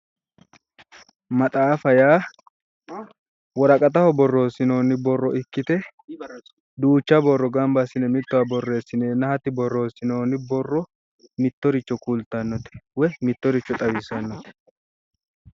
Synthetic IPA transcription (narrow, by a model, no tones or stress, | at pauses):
mɐt̪ʼaːfɐjaː | wɔɾɐkʼɐt̪ɐhɔbɔrːo̞ːsɪno̞ːnɪbɔrːɔʔɪkːɪt̪ɛ | d̪uːt͡ʃːɐbɔrːɔɡɐmbɐsɪnɛmɪt̪ːɔwɐbɔrːe̞ːsːɪneːnːɐhɐt̪ːɪbɔrːo̞ːsɪno̞ːnɪbɔrːɔ | mɪt̪ːɔɾɪt͡ʃːɔkult̪ːɐnːɔt̪ɛ̥wɛmɪt̪ːɔɾɪt͡ʃːɔt̪ʼɐwɪsɐnːɔt̪ɛ̥